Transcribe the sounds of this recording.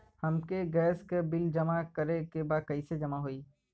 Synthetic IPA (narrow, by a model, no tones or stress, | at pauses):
hɐmkeɡɛːskebɪld͡ʒɐmakɐɾekebaːd̪̚kɐised͡ʒɐmaɦoiː